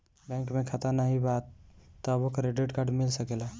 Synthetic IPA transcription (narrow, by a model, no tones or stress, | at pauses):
bɛ̃ŋkmẽkʰat̪anaɦibat̪ːɔbokɾeɖeʈkaɖmɪlsəkela